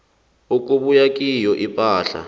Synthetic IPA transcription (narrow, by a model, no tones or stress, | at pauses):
uk̬ʼuɓujak̬ʼijɔʔipʼaːɬa̰